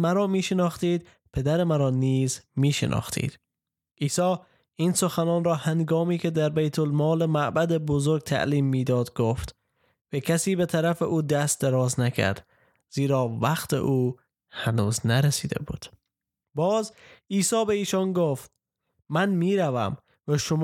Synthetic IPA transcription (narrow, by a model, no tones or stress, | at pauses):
mæɾɒːmiːʃenɒːxt̪iːd̪ | pʰe̞d̪æɾemæɾɒːniːzmiːʃḛnʔɒ̰xt̪ʰḭːd̪̥ | ʔiːsɒː | iːnsoxænɒːnɾɒːhænɡɒːmiːkʰe̞d̪æɾbejt̪ʰolmɒːlemæʔbæd̪ebozoɾɡ̚t̪ʰæ̰ʔliːmːiːd̪ɒːd̪ɡoft̪ | vækʲʰæsiːbe̞t̪ʰæɾæfeʔuːd̪æst̪̚d̪eɾɒːznækʰæ̰ɾd̪̥ | z̥iːɾɒːvæqt̪ʰḛʔuː | hænuːznæɾesiːd̪ḛbṵːd̪̥ | bɒːziːsɒːbe̞iːʃɒnɡoft̪̚ | mænmiːɾævæ̰m | væʃom